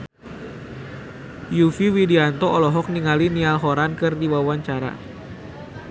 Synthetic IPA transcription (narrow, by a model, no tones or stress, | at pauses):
jufiwidiant̪ɔʔɔlɔɦɔk̚niŋalinialɦɔɾankɨrdiwawaɲt͡ʃaɾa̰